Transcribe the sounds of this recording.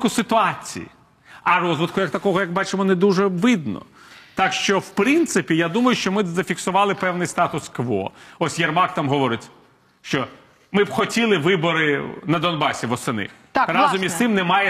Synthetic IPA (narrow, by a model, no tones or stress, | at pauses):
kʊsɪt̪ʊɑt͡sʲḭjḭ | ɐrɔzʋɪt̪kʊjɐkt̪ɐkɔɦɔjɐk̚bɑt͡ʃɪmɔned̪uʒɛʋɪd̪nɔ̰ | t̪akʃt͡ʃɔwpɾɪnt̪sɪpʲijad̪umɐjʊʃt͡ʃɔmɪzɐfʲiksʊʋɑlˠɪpɛwnɪjst̪ɑt̪ʊskʋɔ̰ɔsʲjɐrmɑkt̪amɦɔʋɔɾɪtʲ | ʃt͡ʃɔ | mɪbxɔtʲilˠɪʋɪbɔɾɪnɐd̪ɔnbɑsʲiʋɔsɐnɪ̰xt̪rɑzɔmʲisɪmnɛmɑjɛ